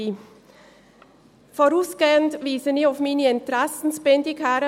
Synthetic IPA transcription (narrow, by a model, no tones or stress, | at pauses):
i | fɔɾuːsɡ̥eːəntviːsəniɔfmiːniɪnt̪ɾɛsn̩spɛndikhæɾə